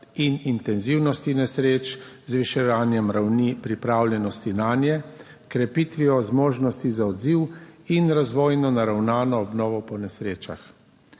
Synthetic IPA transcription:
inint̪ɛnziwnɔst̪inɛsɾeːt͡ʃzʋiʃɛʋaːnjɛmɾawnipɾipɾaːwljɛnɔst̪inaːnjɛ | kɾɛpit̪ʋiɔzmɔːʒnɔst̪izaɔd̪ziwinɾazʋoːjnɔnaɾawnaːnɔːbnɔːʋɔpɔnɛsɾeːt͡ʃa̰x

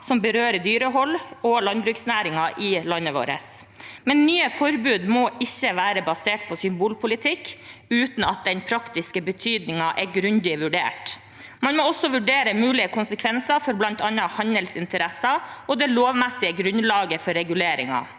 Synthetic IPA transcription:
sɔmbəɾøːɾəd̪yːɾəɦɔlːɔlɑnbɾʉksnæːɾɪŋɑʔɪlɑnːəʋo̰ːɾə̰s | mɛnːyːəfɔɾbʉːd̪mɔɪçːəʋæːɾəbɑseːʈ̚pʰɔsʏmbuːlpʰʊlɪt̪ʰɪkːʉːt̪n̩ɑt̪̚d̪ɛnpʰɾɑkt̪ɪskəbət̪ʰyːd̪nɪŋɑʔɛɡɾʉnd̪ɪʋʉɖḛːʈ | mɑnmɔɔsːɔʋʉɖeːɾəmʉːlɪəkʰʊnsəkʰʋɛnsɑɾfɔɾblɑnt̪ɑnːɑhɑnəlsɪnt̪əɾɛsɑɔd̪ɛloːʋmɛsɪəɡɾʉnlɑːɡəfɔɾːɛɡʉleːɾɪŋɑ̰

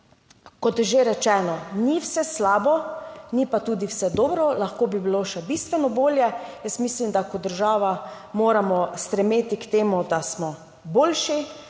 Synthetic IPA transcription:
kɔt̪jɛʒeɾɛt͡ʃɛːnɔniwsɛslaːbɔnipat̪uːd̪iwsɛd̪oːbɾɔlaxkoːbibiloʃɛbist̪ʋɛnɔboːljɛjəst̪mislimd̪akɔd̪ːəɾʒaːʋa | moːɾamɔst̪ɾɛmeːt̪ikt̪eːmud̪asmɔ | boːlʃi

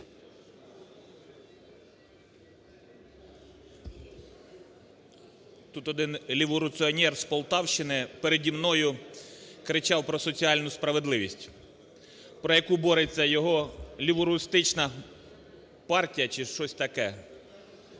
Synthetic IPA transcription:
t̪ut̪ɔd̪ɪnlʲiʋɔɾʊt̪sɨɔnʲɛrspɔlˠt̪ɑwʃt͡ʃɪnɪpeɾedʲimnɔjʊ | kɾɪt͡ʃɑwpɾɔsɔt͡sʲiɑlʲnʊspɾɐʋed̪lˠɪʋʲisʲtʲ | pɾɔjɐkubɔɾet͡sʲːɐjɔɦɔlʲiʋɔɾʊɪst̪ɪt͡ʃnɐ | pɑrtʲijɐt͡ʃɪʃt͡ʃɔsʲt̪ɐkɛ

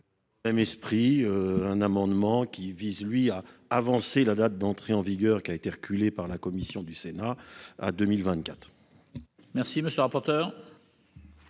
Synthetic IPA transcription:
mɛmɛspχiøɛ̃namɑ̃d̪mɑ̃kʲivizlɥiaːvɑ̃selad̪at̪̚d̪ɑ̃t̪χeɑ̃viɡʲœʁkʲiaet̪eʁəkʲʰylepaʁlakɔmisjɔ̃d̪ysenaa̰d̪ømilvɛ̃t̪kʲat̪χ | mɛʁsiməsjølʁapɔʁt̪œːʁ

